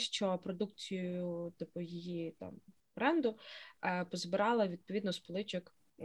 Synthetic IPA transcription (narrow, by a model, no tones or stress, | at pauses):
ʃt͡ʃɔpɾɔd̪ukt͡sʲijjʊt̪ɪpʊjijit̪ɑ̰m | bɾɛnd̪ʊ | pɔzbɪɾɑlˠɐʋʲid̪̚pɔʋʲid̪nɔspɔlˠɪt͡ʃɪk